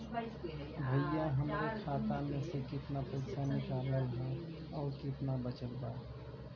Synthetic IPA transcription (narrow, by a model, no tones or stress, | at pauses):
bʱəjaɦəmɾekʰaːt̪amẽsekɪt̪napəɪsanɪkaːləlɦɛ̃ | ɔːɾkɪt̪nabət͡ʃəlba